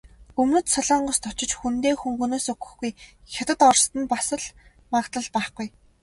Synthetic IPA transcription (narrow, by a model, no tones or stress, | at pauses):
ɵmnɵ̆t̪saɮɔːɴɢʊ̆st̪ʰɔt͡ɕɪ̆t͡ɕxunt̪eːxuŋxɵnoːsɵɡɵ̥̆xɡuj | xʲat̪ə̆t̪ɔrst̪ə̆npasə̆ɮ | makt̪ə̆ɮpæːχɡuj